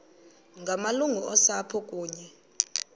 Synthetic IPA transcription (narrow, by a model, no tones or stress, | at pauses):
ŋɡʱamaluŋuɔsapʰɔkʼuːɲɛ